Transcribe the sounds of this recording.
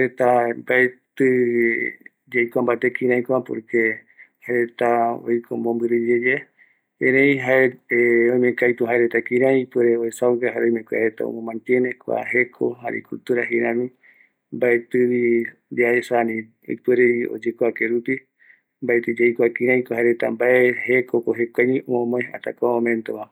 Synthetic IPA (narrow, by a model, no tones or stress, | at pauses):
aɾet̪ambaet̪ɨ | d͡ʒejkʷambat̪ekĩɾãĩkʷapoɾke | haeɾet̪ao̰jkʰomõmbɨɾɨd͡ʒed͡ʒe | ẽɾẽĩɦaeeojmẽkajt̪uɦaeɾet̪akĩɾãjpeɾeoesawkahaɾeõjmẽkʷea̰ɾet̪a̰o̰mõmãnt̪jenekʷa̰ɦe̞kʰo̰ɦaɾḛkult̪uɾaɦiɾãmĩ | mbaet̪ɨβi | d̪iaesanĩ | o̰jpeɾeio̰d͡ʒekoakeɾupi | mbaet̪ed͡ʒejkʷakĩɾãj̃kohaeɾet̪a̰mbaehekʰokoɦekʷajɲomõmoẽa̰t̪a̰kʷamõmẽnt̪oma